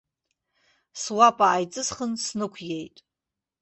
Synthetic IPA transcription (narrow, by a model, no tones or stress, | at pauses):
swapʼaːjt͡sʼɨzχənsnɨkʷʰjejtʼ